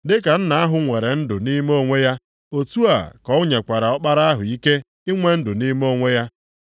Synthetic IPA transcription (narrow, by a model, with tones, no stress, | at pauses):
dɪ˦ka˨n̩˦na˨a˦ɦʊ˨ŋʷe˨ɾe˨n̩˦dʊ˨ni˦m˦o˦˨ŋʷe˦ja˦ | o˨tu˦a̰˨kɔ˨ʊ˦ɲe˨kʷa˨ɾa˨ɔ˦k͡pa˦ɾa˦a˦ɦʊ̰˨i˦ke˦ | i˦ŋʷe˦n̩˦dʊ˨ni˦m˦o˦˨ŋʷe˦ja˦